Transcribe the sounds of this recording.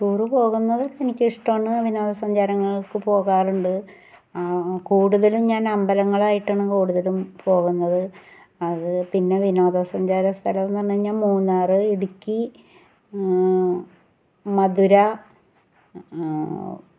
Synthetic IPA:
ʈuːrɨpo̞ːɣunːɐðɨenikʲːiʂʈɐmɳɨʋino̞ːd̪ɐsɐɲd͡ʑaːɾɐŋːɐɭkɨpo̞ːɣaːruɳɖɨ | kuːɽuðɐlumɲaːnɐmbɐlɐŋːɐɭaːjiʈːɐːɳɨkuːɽuðɐlumpo̞ːɣunːɐðɨ | ɐðɨpinːe̞ʋino̞ːd̪ɐsɐɲd͡ʑaːɾɐst̪ʰɐlɐʋnɐnːeɲːaːnmuːnːaːrɨiɽukʲːi | mɐd̪ʱuɾɐ

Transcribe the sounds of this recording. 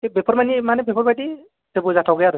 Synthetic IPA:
ebepʰɔɾmanimanebʱepʰɔɾbaʈi | tebuzatʰɔwɡɯjaɾɯ

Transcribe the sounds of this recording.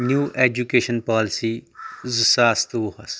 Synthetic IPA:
njuːʔeːd͡ʒukeːʃənpaːlɪsiːzusaːst̪uhɐs

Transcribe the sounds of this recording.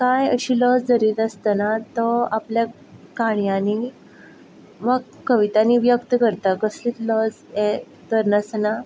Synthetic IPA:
kajə̰ɕiːləd͡zd͡zəɾiːt̪əst̪ənat̪ɔaplja | kaɳjani | ʋa | kəʋit̪aniʋjəkt̪əkəɾt̪akəsliːt̪ləd͡z | ɛ | t̪əɾnəsna

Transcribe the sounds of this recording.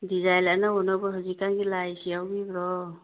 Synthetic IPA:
dizajlanaɔnɔbɔɦɯzikanɡilajsiawbibɾɔ

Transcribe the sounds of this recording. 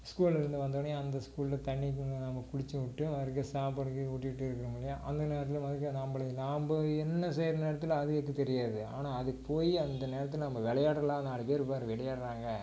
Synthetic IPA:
skuːlɪɾɯnd̪ɯʋɐnd̪ɐʋɐɳjɐnd̪ɐskuːɭɪlɐt̪ɐɳːikːɯnɐmbɐkʊɽɪt͡ʃːɯʋɪʈːɯʋɐɐɾkːɐsaːp̬ɐɽɯkːɯuːʈːɪʋɪʈːɯɪɾɯkːɐɾɯmɪɭːɐjaːʔɐnd̪ɐneːɾɐt̪ːɪlɯ̃mɐðɯkːɯnɐmbɐɭɐnaːmbɐɛnːɐsɛjɾɐneːɾɐt̪ːɪlɐðɯɐkːɯt̪ɛɾɪjaːðɯa̰ːnaːɐðɯkːɯpoːjiɐnd̪ɐneːɾɐt̪ːɪlnɐmːɐʋɪɭɐjaːɽɐlãːɐnaːɽɯpeːɾɯpːaːɾɯʋɪɭɐjaːɽɾaːŋɡɐ

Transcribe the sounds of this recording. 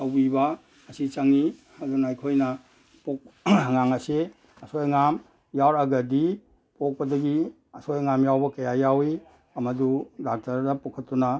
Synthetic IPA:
awbibɐ | ɐsit͡ʃaŋi | ɐdunajkʰojnɐ | pok̚ŋaŋɐse | ɐsojŋam | jawɾɐɡɐdi | pok̚pɐdɐɡi | ɐsojŋamjawbɐkɐjajawi | ɐmɐdudak̚taɾdɐpokʰɐtːuna

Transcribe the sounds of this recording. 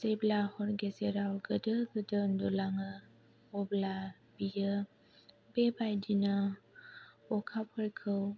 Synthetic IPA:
zejblahɔɾɡezeɾawɡədəɡədəndɔlaŋɯ | ɔbla | b̥ijə | bebajdinə | ɔkʰap̚hɔɾkʰɯw

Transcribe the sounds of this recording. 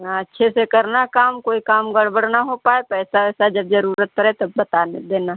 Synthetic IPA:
ɐtːʃʰesekɐɾnakaːmkoːikaːmɡɐɽbəɽ̤naɦopaːepɛːsaɛːsad͡ʒɐb̚d͡ʒɐɾuːɾət̪̚kəɾet̪ɐbɐt̪aːned̪eːna

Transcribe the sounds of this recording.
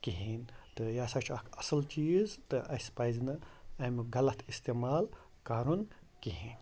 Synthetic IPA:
kiɦint̪ɨjaːsɐt͡ʃʰɐkʰɐsɐlt͡ʃiːzt̪ɨʔɐsʲpajznɨɐmɡɐlɐt̪ʰist̪eːmaːl | kaːɾun | kiɦiːn

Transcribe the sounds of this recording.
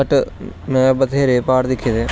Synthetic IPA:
ɐʈːɨmebɐt̪eːɾepaːɾd̪ikʰʲːjɐðe

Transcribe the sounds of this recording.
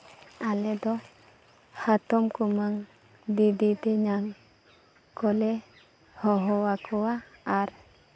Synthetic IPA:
alɛd̪ɔ | hat̪ɔmkumaŋ | d̪id̪it̪ɛɲaŋ | kɔlɛ | hɔɦɔwakʰɔwaːɾ

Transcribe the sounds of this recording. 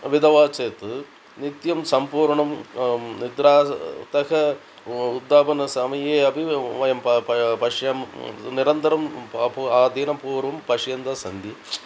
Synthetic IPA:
ʋid̪ɐʋaːt͡ʃeːt̪ɨ | nit̪jɐmsɐmpuːɾɳɐmnid̪ɾaːt̪ɐkɐ | ud̪ːaːbɐnɐsɐmijeːɐbʱiʋɐjɐmpɐpɐʂjɐmniɾɐnt̪ɐɾɐmpuaːd̪ʱiːnɐpuːɾʋɐmpɐʂjɐnd̪ɐsɐnd̪i

